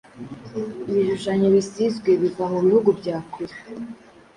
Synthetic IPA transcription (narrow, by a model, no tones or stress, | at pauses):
iβiʒuʃaɲoβisizɡwe̞βivamuβihuɡubɟaːkuɾik